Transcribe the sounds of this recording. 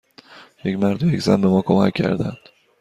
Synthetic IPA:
je̞cmæɾd̪ojeczæ̰nbe̞mɒːkʰo̞mæcʲʰːæ̰ɾd̪ænd̪̥

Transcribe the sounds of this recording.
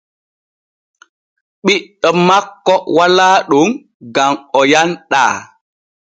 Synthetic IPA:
ɓiɗɔmakːɔwalaːɗuŋ | ɡamɔjanɗa̰ː

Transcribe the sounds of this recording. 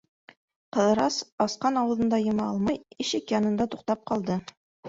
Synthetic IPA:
qɤ̆ðɤ̆ɾɑsɑsqɑnɑwɤ̆ðɤ̆nd̪ɑjɤ̆mɑɑlˠmɑjɘ̆ʃɘkjɑnɤ̆nd̪ɑt̪uqt̪ɑp̚qɑlˠd̪ɤ

